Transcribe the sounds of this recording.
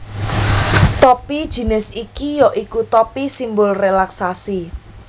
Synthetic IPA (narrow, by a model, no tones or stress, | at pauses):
t̪ɔpid̥ʒ̥i̤nɪsikijɔʔikut̪ɔpisimbʊlrelaksasi